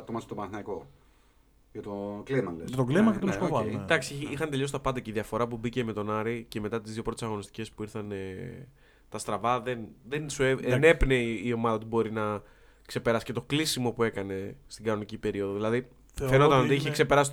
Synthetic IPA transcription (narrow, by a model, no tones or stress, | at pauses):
t̪omɐst̪oɐnθinɐko̞ | ʝɐt̪oklimɐleɐt̪oɡlimɐket̪osovld̪ɐksiixɐnt̪e̞ʎos̬t̪ɐpɐnd̪ɐceiðiɐfo̞ɾɐpubice̞me̞t̪o̞nɐɾice̞me̞t̪ɐt̪izðjio̞pɾo̞t̪esɐɣo̞nist̪i̥ce̞spuiɾθɐne | t̪ɐst̪ɾɐvɐðe̞nðensueene̞pneio̞mɐðɐo̞t̪ibo̞ɾinɐ | kse̞pe̞ɾɐsi̥ce̞t̪o̞klisimo̞pue̞kɐne̞st̪iɡɐno̞nicipe̞ɾio̞ðoðilɐði | fenot̪ɐnot̪iiçekse̞pe̞ɾɐsi